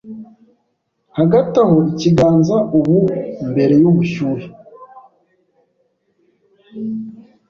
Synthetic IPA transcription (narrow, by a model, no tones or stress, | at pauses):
haɡataho̞iciɡaːnzaʔuβumbe̞ɾe̞juβuʃuːɾe